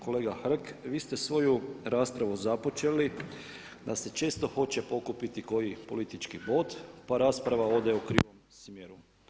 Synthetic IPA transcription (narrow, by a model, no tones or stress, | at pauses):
ko̞le̞ːɡaxr̩kʋiːst̪esʋo̞juɾaːspɾaʋuzapo̞t͡ʃe̞li | d̪ase̞t͡ʃe̞ːst̪o̞xo̞t͡ʃe̞po̞kupit̪iko̞jipo̞̰lit̪it͡ʃkibo̞d̪paɾaːspɾaʋao̞d̪eokɾḭʋom | smjeɾu